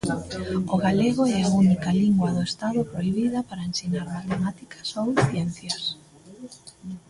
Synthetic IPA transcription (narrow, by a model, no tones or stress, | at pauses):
ʊɣaleɣʊɛaunikɐliŋɡwɐðʊest̪aðʊpɾoiβ̞iðɐpaɾɐensinaɾmat̪emat̪ikʰɐ̥sowθjɛnθjɐs